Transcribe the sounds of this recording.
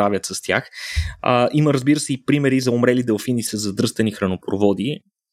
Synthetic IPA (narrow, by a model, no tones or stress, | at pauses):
avʲjət̪sɐst̪ʲja̰xəʔiməɾəzbiɾəsɛipɾimɛɾizɐomɾɛlid̪ɛlˠfinisəzɐd̪ɾɤst̪ɐnixɾɐnopɾovɔd̪i